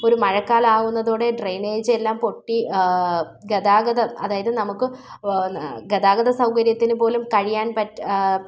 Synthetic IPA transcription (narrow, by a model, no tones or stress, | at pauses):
o̞ɾumɐɻɐkːaːlaːɣunːɐðuːɽe̞ɖrejneːd͡ʑelːaːmpo̞ʈːi | ɡɐðaːɡɐðɐɐðaːjɐðɨnɐmukːɨ | ɡɐðaːɡɐðɐsɐwkɐɾjɐt̪ːinupo̞ːlumkɐɻijaːnpɐtː